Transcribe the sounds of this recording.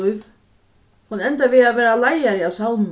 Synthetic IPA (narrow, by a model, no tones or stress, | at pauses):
jv | hunɛnt̪avɪðavɛːɾalaːjaɾɪawsawn